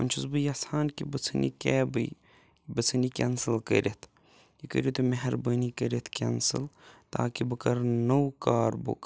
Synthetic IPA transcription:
ɐ̰nʲt͡ʃʰuzbɨjɐsaːnkibɐt͡sʰɨnḭkɛːbɨj | bɐt͡sʰɨnikʲɛnsɨlkə̰ɾʲit̪ʰ | jikə̰ɾʲit̪umeɦɐɾbəːnikəɾit̪ʰkʲɛnsɨ̰lt̪a̰ːkibɐkɐɾnɐwkaːɾbṵk

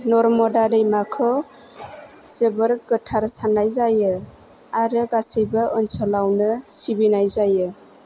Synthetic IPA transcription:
nɔɾmɔdadɯjmakʰɔ | sebəɾɡɯtʰaɾsanajzajɯ | aɾɯɡasijbaʔɯnsɔlawnɯsibinajzajɯ

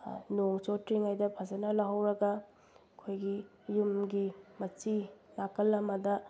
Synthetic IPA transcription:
noŋt͡ʃotɾiŋajdɐpʰɐzɐnɐlɐɦɐwɾɐɡɐ | kʰojɡi | jumɡimɐt͡ʃilakɐlːɐmɐdɐ

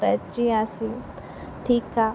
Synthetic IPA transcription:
ɛt͡ʃiasi | ʈʰika

